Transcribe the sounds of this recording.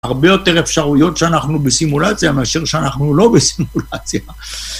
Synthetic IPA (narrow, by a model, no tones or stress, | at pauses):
aʁbe̞jo̞te̞ʁe̞fʃaʁujo̞tʃeanaχnubesimulat͡sjameaʃeʁʃeanaχnulo̞besimulat͡sja